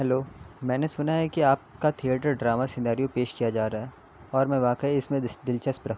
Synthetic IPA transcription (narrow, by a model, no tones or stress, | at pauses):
ɦɛloːmɛ̃ːnesʊnaɦɛkiaːp̚kat̪ʰieːʈəɾɖɾaːmasɪnaːɾijõpeːʃkijad͡ʒaːɾaɦɛ | ɔːɾmɛ̃ʋaːkəiɪsmẽd̪ɪlt͡ʃəspɾɐk